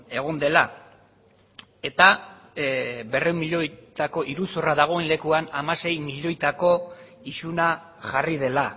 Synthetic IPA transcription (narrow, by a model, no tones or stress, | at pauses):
e̞ɣ̞ond̪e̞la | e̞t̪a | be̞rewmiʎo̞jt̪ako̞ʔiɾusoraðaɣ̞o̞enle̞kuanamase̞jmiʎo̞jt̪ako̞ | isuna | ʝarið̞e̞la